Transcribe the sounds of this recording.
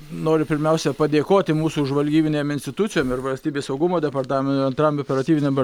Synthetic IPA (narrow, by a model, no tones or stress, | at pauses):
noːɾʲɪpʲɪɾʲmʲɛʊsʲɛpɐd̪ʲeːkoːt̪ʲɪmuːsuːʒʋɐlʲɡʲiːbʲɪnʲeːmɪnʲsʲt̪ʲɪt̪ʊt͡ssʲɪjoːmɪɾʋɐlʲsʲt̪ʲiːbʲeːsɐʊɡʊmoːd̪ʲɛpɐrt̪ɑːmʲɛnt̪ːɐnt̪ɾɐmoːpʲɛɾɐt̪ʲiːbʲɪnʲeːm